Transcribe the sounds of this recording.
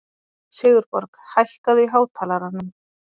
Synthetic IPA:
sɪːɣʏɾpɔɾkhajhkaðʏiɦaːwt̪ʰaːlaɾanʏm

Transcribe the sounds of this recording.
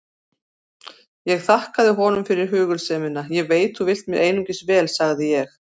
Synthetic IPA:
jɛɣθahkaðɪɦɔːnʏmfɪɾɪɾ̥ɦʏːɣʏlsɛːmɪnajɛɣveːjt̪θuvɪl̥t̪mɛɾʔeːjnʏŋcɪsvɛːlsaɣðɪjɛx

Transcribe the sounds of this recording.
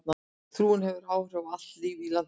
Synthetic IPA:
na | θɾuːɪnhɛvʏɾaːwɾavat̪liːvila

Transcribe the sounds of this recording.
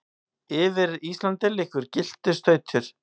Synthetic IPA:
ɪvɪɾist̪lant̪ɪlɪhkvʏɾcɪl̥t̪ɪ̥st̪œːɥt̪ʰʏɾ̥

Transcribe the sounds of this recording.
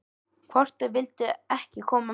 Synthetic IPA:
kʰvɔr̥t̪ʏvɪlt̪ʏɛhcɪkʰɔːma

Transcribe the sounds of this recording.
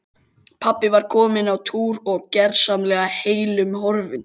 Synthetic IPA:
pʰapːɪvaɾ̥kʰɔːmɪnawt̪ʰuːɾɔɣcɛɾsamlɛːɣaheːjlʏmhɔɾvɪn

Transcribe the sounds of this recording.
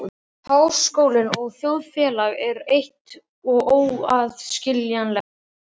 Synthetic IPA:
haːw̥skoːwlɪnɔɣθjowðfjɛːlaɣɛɾejht̪ | ɔɣoːwaðscɪljanlɛx

